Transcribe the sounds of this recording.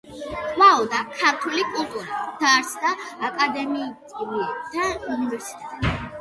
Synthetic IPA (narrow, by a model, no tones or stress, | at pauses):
kʼwaɔd̪akʰaɾt̪ʰulikʼulˠt̪ʼuɾat̪ʰaɾsd̪aːkʼad̪ɛmiːt̪ʼivuɛt̪ʰaunivɛɾsi̥t̪ʼɛt̪ʼɛ